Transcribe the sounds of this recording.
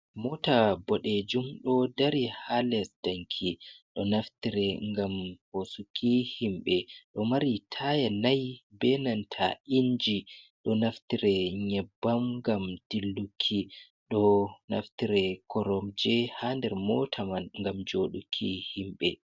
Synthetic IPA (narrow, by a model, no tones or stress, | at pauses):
mɔtabɔɗed͡ʒumɗɔdaɾihalɛsd̥aŋkʰiɗɔnaftiɾɛŋɡamhosukʰihimɓɛɗɔmaɾitʰajanajbɛnantʰa̰ind͡ʒiɗɔnaftiɾɛɲɛbːamŋɡamd̥ilːukʰːi | ɗɔna̰ftiɾɛkʰɔɾɔmd͡ʒɛhandɛɾmɔtʰamanŋɡamd͡ʒoɗukʰihimɓɛ